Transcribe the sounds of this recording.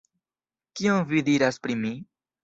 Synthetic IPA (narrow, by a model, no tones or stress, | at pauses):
kionvidiɾaspɾimi